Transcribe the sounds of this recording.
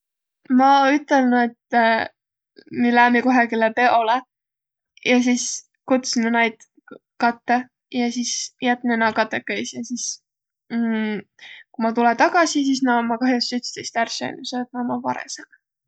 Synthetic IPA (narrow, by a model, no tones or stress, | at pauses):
mɑyt̪ˑːelnuet̪ː | milæːmiko̞ɦekilepeʔole | jɑs̬is | kut̪sinunɑjd̪̥ | kɑt̪ːe | jɑsisjæt̪ːˑnenɑkɑt̪ˑːekːɤjsjɑsis | kumɑt̪ulet̪ɑɡ̥ɑsis̬is̬nɑmɑkɑɦjost̪yt̪st̪ejst̪ærsḛnːuset̪nɑmɑvɑɾḛsɑn